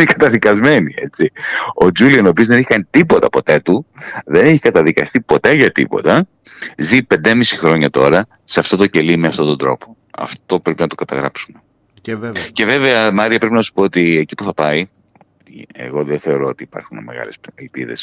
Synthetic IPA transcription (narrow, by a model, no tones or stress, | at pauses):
nekɐt̪ɐðikɐzme̞niet͡sio̞d͡ʒuliɐno̞pizðe̞nixɐnt̪ipo̞t̪ɐpo̞t̪e̞t̪uðe̞neçi̥kɐt̪ɐðikɐst̪ipo̞t̪e̞ʝɐt̪ḭpo̞̰t̪ɐ | zipe̞nd̪emisi̥xɾo̞ɲɐt̪o̞ɾɐ | seɐft̪o̞t̪o̞ce̞limeɐft̪o̞t̪o̞nd̪ɾo̞po | ɐ̰ft̪o̞pɾe̞pinɐt̪o̞kɐt̪ɐɣɾɐpsume | ce̞ve̞veɐmɐɾiɐpɾe̞pinɐsu̥po̞ot̪iecipuθɐpɐi | ḛɣo̞ðeθe̞o̞ɾo̞ot̪iːpɐ̰ɾxunme̞ɣɐ̰le̞sɐlpḭðe̞̰s